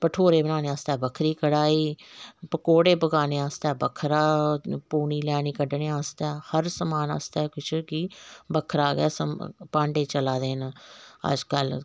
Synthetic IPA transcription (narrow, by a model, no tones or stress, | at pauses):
pəʈʰoːɾeːbənaːneːaːst̪ɛːbəkʰɾiːkəɽaːiːpəkoːɽeːpəɡaːneːaːst̪ɛːbəkʰɾaːpuːɳiːlɛːɽiːkəɖneːaːst̪ɛːhəɾsəmaːna̰ːst̪ɛːkʊt͡ʃʰkiːbəkʰɾaːɡɛ̰ːsəmpãːɳɖeːt͡ʃəlaːd̪eːnːə̰d͡ʒkəl